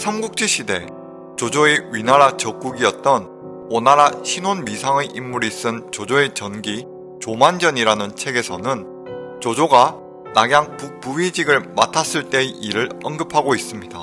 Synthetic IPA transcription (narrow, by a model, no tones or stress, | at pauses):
sʰamɡuk̚t͡ɕ͈iɕʰide̞ | t͡ɕod͡ʑoeɥinaɾat͡ɕʌk͈̚uɡiʌt̚t͈ʌn | onaɾaɕʰinonmisʰaŋeʔimːuɾis͈ɯnt͡ɕod͡ʑoe̞t͡ɕʌnɡi | t͡ɕomand͡ʑʌɲiɾanɯnt͡ɕʰe̞ɡe̞sʰʌnɯn | t͡ɕod͡ʑoɡa | naɡjaŋpuk̚puɥid͡ʑiɡɯɭmatʰas͈ɯɭt͈e̞ʔiɾɯɭʌnɡɯpʰaɡois͈ɯmɲida